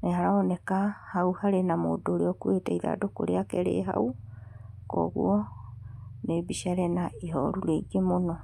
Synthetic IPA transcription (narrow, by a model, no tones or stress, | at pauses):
nehaɾaɔnɛkahauhaɾenamodoɾeɔkwetɛiða̰ːdoko̰ɾeakɛɾḛɦa̰u | kɔ̰ɣṵɔ | nebiʃaɾɛnaiɦɔ̰ɾuɾeiɡemonɔ